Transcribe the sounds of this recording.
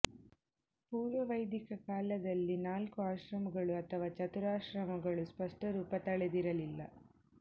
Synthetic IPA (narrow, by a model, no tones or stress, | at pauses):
puːɾʋɐʋɐjd̪ikɐkaːlɐd̪ɐlːinaːlkuaːʃɾɐmɐɡɐɭuɐt̪ʰɐʋaːt͡ʃɐt̪uɾaːʃɾɐmɐɡɐɭuspɐʂʈɐɾuːpɐt̪ɐɭɛd̪iɾɐlilːɐ̰